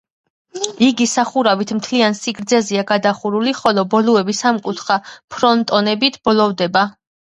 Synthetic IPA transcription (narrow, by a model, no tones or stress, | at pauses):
iɡisaχuɾavit̪ʰmt̪ʰliansiɡɾd̪zɛziaɡad̪aχuɾuliχɔlɔbɔluɛbisamkʼut̪ʰχapʰɾɔnt̪ʼɔnɛbit̪ʰb̥ɔlɔvd̪ɛba